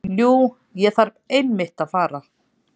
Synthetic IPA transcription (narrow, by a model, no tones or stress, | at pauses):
ljuː | jɛθaɾpejnmɪht̪aðfaːɾa